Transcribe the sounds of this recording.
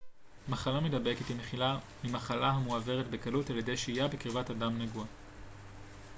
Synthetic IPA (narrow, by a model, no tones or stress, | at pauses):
maχalamedabe̞ket̪imeχila | mimaχalaɦamuave̞ʁetbe̞kalutalje̞de̞jʃeijabekiʁvatadamneɡua